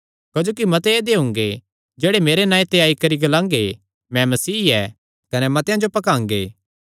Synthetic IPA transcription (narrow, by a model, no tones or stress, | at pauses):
kɐd͡ʒoːk̬imɐ̃t̪eːd̪eɦʊ̃ːŋɡe | d͡ʒeːɽemeːɾenãːĩt̪eaːikɐɾiɡɐlãːŋɡe | mɛ̃mɐsiːɛː | kɐnɛmɐ̃t̪ɪjãd͡ʒopɐkãːŋɡḛː